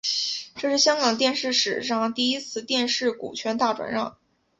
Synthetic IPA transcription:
ʈ͡ʂɤ˥˧ʂɻ̩˥˩ɕjɑ˥ŋkɑ˨˩ŋt̪̬jɛ˥˧nʂɻ̩˥˩ʂɻ̩˨˩ʂɑ˥˩ŋt̪i˥˩i˥t͡sʰɹ̩˥˧t̪jɛ˥˧nʂɻ̩˥˩kṵ˨˩t͡ɕʰɥɛ˧˥nt̪a˥˩ʈ͡ʂwa̰˨˩nɻɑ˥˩ŋ

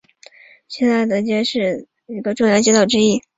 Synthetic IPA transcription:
ɕjɛ˥˧nt͡sa˥˩ɪt̪ə˧˥t͡ɕjɛ˥ʂɻ̩˥˩ | i˧˥ɡə˧ʈ͡ʂʊ˥˧ŋjə˩t͡ɕɛ˥t̪ɑ˥˩ʊʈ͡ʂɻ̩˥i˥˩

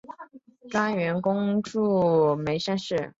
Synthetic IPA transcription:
ka˥nɥɛ˧˥nkʊ˥ŋʈ͡ʂu˥˩me˧˥ɪʂa˥˧nʂɻ̩˥˩

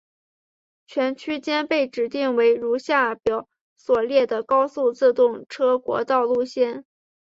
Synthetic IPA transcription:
t͡ɕʰɥɛ˧˥nt͡ɕʰy˥t͡ɕjɛ˥npe˥˩ɪʈ͡ʂɻ̩˨˩t̪i˥˩ŋwe˧˥ɪɻu˧˥ɕja˥˩pjɑ˨˩˥ʊ | swɔ˨˩ljɛ˥˩d̪ə˩kɑ˥ʊsu˥˧t͡sɹ̩˥˧t̪ʊ˥˩ŋʈ͡ʂʰɤ˥kwɔ̰˧˥t̪ɑ˥˧ʊlu˥˩ɕjɛ˥˩n

